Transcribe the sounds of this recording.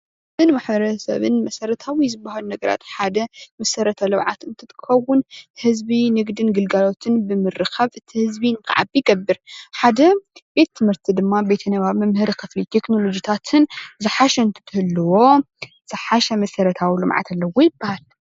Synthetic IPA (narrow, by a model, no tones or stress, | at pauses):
bɨnmaħbɐɾɐsɐ̰βɨ̰nmɐsɐɾɐt̪ʰawizɨbːahalunɐɡɐɾa̰t̪ħad̪ɐmɐsɐɾɐt̪ʰɐlɐwʕa̰t̪ɨnt̪ʰɨt̪ʰxɐwːʊnhɨzbinɨɡd̪ɨnɡɨlɡalo̞t̪ʰɨnbɨmɨɾɨkʰɐβɨt̪ʰihɨzbinɨkʰa̰ʕa̰biɡɐbːɨɾħad̪ɐbe̞t̪ːʰɨmhɨɾt̪ʰid̪ɨmːabe̞t̪ʰɐnɐβaβmɐmhɨɾikʰɨflit̪ʰe̞kno̞lo̞d͡ʒit̪ʰat̪ʰɨnzɨħaʃɐɨnt̪ʰɨ̥t̪ʰɨhɨlːɨwo̞ | z̥ɨħaʃɐmɐsɐɾɐt̪ʰawilɨ̰mʕa̰t̪ʰalːɐwojɪbːahal